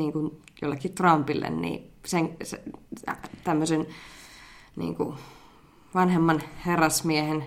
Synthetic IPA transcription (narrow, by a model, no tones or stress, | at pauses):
iːŋkunjo̰lːekːit̪rɑmpilːḛnnḭːseŋse | t̪æmːøsen | nḭːŋkṵ | ʋɑnhemːɑnherːɑsmiehen